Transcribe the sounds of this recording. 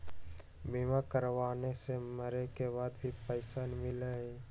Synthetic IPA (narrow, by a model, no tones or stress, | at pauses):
bimakəɾʋaːneseməɾekebaːd̪bʱipəɪsaːnmɪləɦɛ